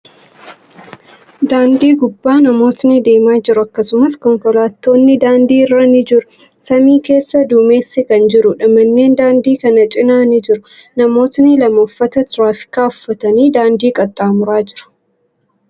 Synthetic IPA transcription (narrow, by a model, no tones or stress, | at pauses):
d̪aːnd̪iːɡʊbːaːnɐmo̞ːt̪nɪd̪e̞ːmaːd͡ʒɪɾʊɐkːɐsʊmɐskɔŋkɔlaːt̪ːo̞ːnːɪd̪aːnd̪iːɪrːɐnɪd͡ʒɪɾʊ̥ | sɐmiːke̞ːsːɐd̪ume̞ːsːɪkɐnd͡ʒɪɾʊᶑɐmɐnːe̞ːnd̪aːnd̪iːkɐnɐt͡ʃʼɪnaːnɪd͡ʒɪɾʊ | nɐmo̞ːt̪nɪlɐmoːfːɐt̪ɐt̪ɾaːfɪ̥kaːʊfːɐt̪ɐniːd̪aːnd̪iːkʼɐt̪ʼːaːmʊɾaːd͡ʒɪɾʊ̥